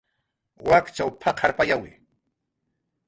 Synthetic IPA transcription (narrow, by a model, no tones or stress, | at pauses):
wakt͡ʃawpʰakʰaɾpajawɪ